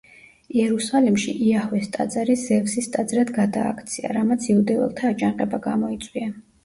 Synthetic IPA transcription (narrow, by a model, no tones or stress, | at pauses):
iɛɾusalimʃiʔiahwɛst̪ʼa̰d̪zaɾisɛvsist̪ʼad̪zɾad̪ɡad̪a̰ːkʰt̪sʰia̰ɾamat̪sʰiud̪ɛvɛ̰lˠt̪ʰaːd͡ʒanqʼɛbaɡamɔit̪sʼwia